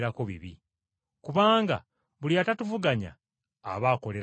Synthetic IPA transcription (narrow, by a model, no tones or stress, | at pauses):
ɾakoβḭβi | kuβaːŋɡa̰ | βuljatatuvuɡaɲa̰ː | βaːko̞le